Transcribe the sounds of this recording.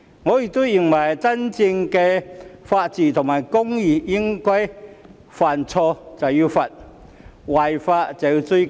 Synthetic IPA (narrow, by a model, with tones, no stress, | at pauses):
ŋɔː˨˧jɪ˨k̚t̪o˥wji˨˩nwɐ˨˩jt͡sɐ˥nt͡sɪ˧ŋkɛː˧faː˧t̚t͡siː˨t̪ʰʊ˨˩ŋmaː˨˩jkʊ˥ŋji˨˩jɪ˥ŋkɔː˥j | faː˨˩nt͡sʰɔː˧t͡sɐ˨wji˧fɐ˨t̚ | wɐ˨˩jfaː˧t̚t͡sɛ˨˧t͡su˥